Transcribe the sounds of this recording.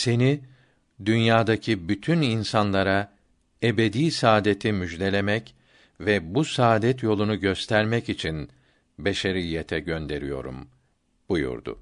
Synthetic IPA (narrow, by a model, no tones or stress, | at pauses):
se̞ni | d̪ynjaːd̪acʰibyt̪ʰyninsanlˠaɾa | ebe̞d̪iːsaːd̪e̞t̪ʰimyʒlʲe̞lʲe̞mɛc | vɛbusaːd̪ɛt̪jo̞lˠunuɟøst̪ʰæɾmɛcit͡ʃʰin | beʃeɾijːet̪ʰɛɟønd̪e̞ɾijo̞̰ɾṵm | b̥ujṵɾd̪ʊ̰